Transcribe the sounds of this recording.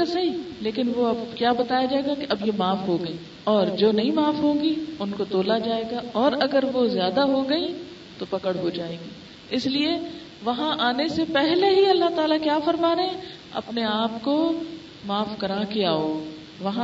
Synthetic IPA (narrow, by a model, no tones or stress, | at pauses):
asɐɦileːkɪnʋoɐbkjaːbɐt̪aːjad͡ʒaːeːɡakeʔɐbjemaːfɦoɡɐĩː | ɔːɾd͡ʒoːnɐɦĩmaːfɦoːɡiʊnkot̪oːlad͡ʒaːeːɡaɔːɾɐɡəɾʋozjaːd̪aɦoɡɐi | t̪opɐkəɽɦod͡ʒaːeːɡiː | ɪslie | ʋɐɦãʔaːnesepɛɦleɦiɐlːaɦt̪aːlakjaːfɐɾmaːɾeɛ̃ | ɐ̰pneaːp̚ko | maːfkɐɾaːkeaːoː | ʋɐɦã